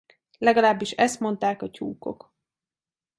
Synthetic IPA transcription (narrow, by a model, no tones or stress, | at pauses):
lɛɡɒlaːbːiʃɛst̪mo̞nt̪aːkɒcuːko̞̰k